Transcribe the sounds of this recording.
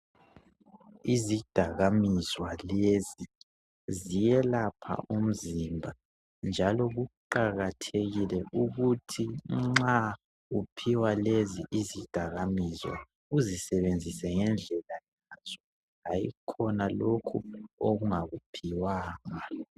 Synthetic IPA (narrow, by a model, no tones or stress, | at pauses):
izid̥ʱaɣamizwalezi | zijɛlapʰa̰ʔum̩zimbʱa | nd͡ʒʱalɔɣuǃaɣatʰeɣilɛʔuɣutʰiŋ͡ǁa | upʰiwaleziʔizid̥ʱaɣamizwa̰ | uzisɛβend͡zʱisɛŋɛnd͡ɮʱɛlajaz̥ɔ | ɣajḭkʰɔnalokʰuoɣuŋaɣupʰiwaːŋa